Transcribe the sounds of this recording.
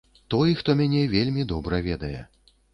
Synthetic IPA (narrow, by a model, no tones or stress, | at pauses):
t̪ɔjxt̪ɔmʲanʲɛvʲelʲmʲid̪ɔbɾɐvʲɛd̪ɐjɛ̰